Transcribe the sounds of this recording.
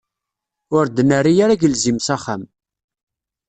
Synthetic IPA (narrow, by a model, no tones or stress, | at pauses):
ʊɾd̪ənəɾijaɾaʝəlzimsaχam